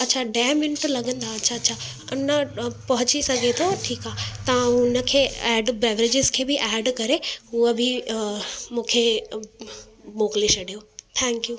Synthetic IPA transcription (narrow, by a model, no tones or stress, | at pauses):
ɐtːɕʰaɖaːmɪnʈlɐɡə̃nd̪aɐtːɕʰaːtːʃʰa | ʊnəpɐɦʊt͡ɕisɐɡʱet̪ʰoʈʰiːkaːt̪ɐʋãʊnə̆kʰeːɛːɖbɛːʋɾed͡ʑɪzkʰeːbɪʔɛːɖkɐɾeɦuəbʱɪ | mũːkʰe | ɓoːkliʃɐɽʱijot̪ʰɛ̃ːŋkjuː